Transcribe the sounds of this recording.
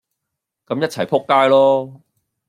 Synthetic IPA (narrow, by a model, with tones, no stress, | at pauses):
kɐ˨˥mjɐ˥t̚t͡sʰɐ˨˩jpʰʊ˥kːaː˥jlɔː˥